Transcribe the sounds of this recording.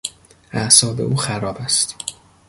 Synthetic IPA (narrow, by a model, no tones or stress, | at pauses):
ʔæʔsɒːbe̞̰ʔuːxæɾɒːbæst̪